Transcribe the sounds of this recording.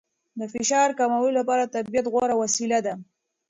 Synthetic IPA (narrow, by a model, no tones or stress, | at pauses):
d̪əfɪʃɑɾkamawəlolapɑɾat̪abijat̪ɣwaɾawasilad̪a